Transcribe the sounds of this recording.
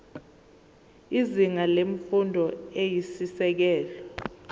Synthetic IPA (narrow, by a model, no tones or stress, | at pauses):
iziŋaleɱ̩fundʱɔejisisɛk̬ɛːlɔ